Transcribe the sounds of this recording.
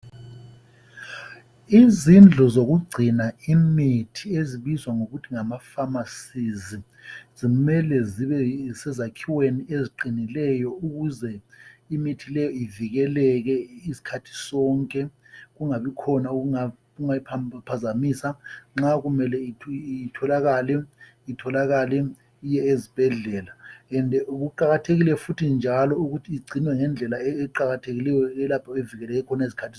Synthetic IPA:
izind͡ɮʱɔzoɣ̬uɡ͡ǀʱinaimitʰieziɓizwaŋoɣutʰiŋamafamasizi | zimɛlɛziβɛsɛzakʰiweniʔeziǃinilɛjɔuɣuzɛimitʰilɛjɔiviɣ̬ɛlɛk̬ɛisi̥kʰatʰi̥sɔŋkʼɛ | ɣuŋaβikʰɔnauuŋa | ɣuŋajipʰapʰazamisaŋ͡ǁaɣumɛlɛitʰɔlaɣalɛ | itʰɔlaɣalɛ | ijɛezib̥ʱɛɮɛːlaɛndʱɛuɣuǃaɣatʰeɣilɛfutʰind͡ʒʱalɔuɣutʰiːɡ͡ǀʱinwɛŋɛnd͡ɮʱɛlaɛːǃaɣatʰeɣilɛjɔɛlapʰaeviɣɛlɛɣɛkʰɔnaisi̥kʰatʰi

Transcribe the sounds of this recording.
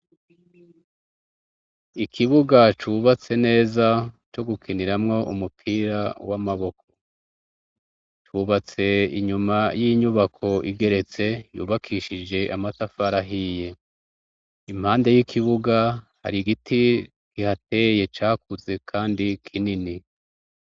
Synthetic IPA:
ikʰiβuɡat͡ʃuβat͡se̞ne̞ːzat͡ʃo̞ɡukʰiniɾamŋo̞ʔumupʰiːɾawamaβo̞k̚ʰo̞̥ | tuβat͡se̞iɲumajiːɲuβakʰo̞ʔiɡe̞ɾe̞t͡se̞jṵːβakʰiʃid͡ʒe̞ʔamatafaɾaɦije̞ | im̥haːnde̞jikʰiβuɡaha̰ɾiɡitʰi | kihate̞je̞t͡ʃaːkuze̞kʰaːndikʰinini

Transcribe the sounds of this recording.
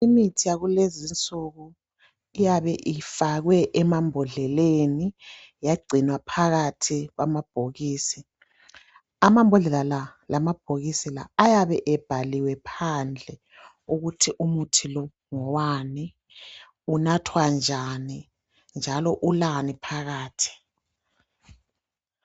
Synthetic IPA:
imitʰijaɣulezint͡sʼuɣu | ijaβɛʔifaɣwɛʔɛmambʱɔɮɛleni | jaɡ͡ǀʱinwapʰaɣatʰiɣwamab̥ʱoɣiːsi | amambʱɔɮɛlalalamab̥̚ʱoɣisila̰ːjaβɛʔɛb̥ʱaliwɛpʰand͡ɮʱɛ | uɣutʰiʔumutʰilɔ | ŋɔwani | unatʰwand͡ʒʱani | nd͡ʒʱalɔʔulanipʰaɣaːtʰi̥

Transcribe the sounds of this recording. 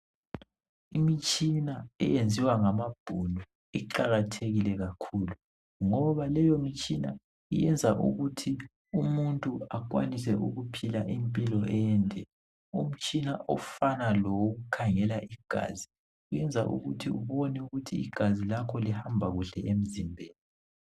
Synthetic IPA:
imit͡ʃʼinaɛ̰jend͡zʱiwaŋamab̥ʱunu | iǃaɣatʰeɣilɛɣakʰulu | ŋɔβalɛjomit͡ʃʼina̰ | ijɛnd͡zʱaʔṵɣutʰi | umuntʼuak̬ʼwa̰nis̬ɛʔuɣupʰilaʔimpʼilɔʔɛjɛntʼɛ | um̩t͡ʃʼinaʔɔ̰fanalɔwoɣukʰaŋɛlaʔiɡ̥ʱa̰ːzi | ujɛnd͡zʱa̰ʔṵɣutʰiṵβɔnɛuɣutʰḭːɡ̥ʱazilakʰɔlihambʱaɣuɬɛʔem̩zimbʱeːni

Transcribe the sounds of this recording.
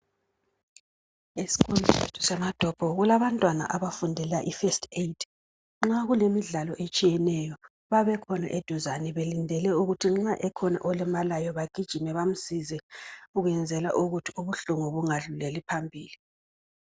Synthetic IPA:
esi̥kʰonʱisetʰu̥sɛmad̥ʱɔb̥ʱɔɣulaβantʼwana̰ʔaβafundʱɛlaʔifestʰetʰ | ŋ͡ǁaɣulemiɮalɔʔet͡ʃʼijɛnɛjɔ | βaβɛkʰɔna̰ʔed̥ʱuzanɛβelindʱɛlɛuɣutʰiŋ͡ǁaʔɛkʰɔna̰ʔɔlɛmalajɔβaɡ̥ʱid̥ʒ̥ʱimɛβam̩sizɛuɣujɛnd͡zʱɛla̰ʔuɣutʰiuβuɬuŋɔβuŋaɮulelipʰambʱiːli

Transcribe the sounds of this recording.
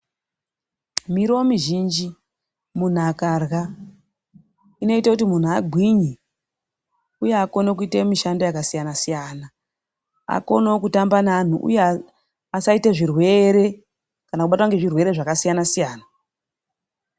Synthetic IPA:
miɾoomiʒiːnd͡ʒi | mun̤akarɣa | ino̞itakutimun̤uaɡʱwiɲi | ujeako̞nok̬uitemiʃando̞jakasijanasijaːna | a̰ko̞nokutambanan̤uʔṵje | asaiteʐirwe̞ɾe̞ | kanakuɓatwaŋɡe̞ʐirwe̞ɾe̞ʐakasijanasijaːna

